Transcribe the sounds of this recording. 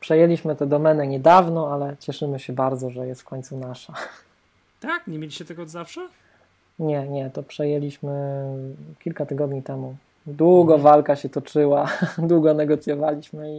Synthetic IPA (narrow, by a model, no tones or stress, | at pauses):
pʂɛjɛlʲiɕmɘt̪ɛd̪ɔmɛnɛɲɛd̪avnɔalɛt͡ɕɛʂɘmɘɕɛbaɾd̪zɔʐɛjɛst̪fkɔɲt̪sunaʂa | t̪akɲemʲeliɕɛt̪ɛɡɔːd̪zafʂɛ | ɲɛɲɛt̪ɔpʂɛjɛlʲiɕmɘ | kʲilkat̪ɘɡɔd̪ɲit̪ɛmu | d̪wuɡɔvalkaɕɛt̪ɔt͡ʂɘwad̪wuɡɔnɛɡɔt̪sʲjɔvalʲiɕmɘi